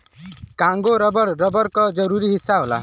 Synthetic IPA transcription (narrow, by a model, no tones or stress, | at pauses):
kãŋɡoɾɔbɔɾɾɔbɔɾkɔd͡ʒɔɾuɾiɦisːaɦola̰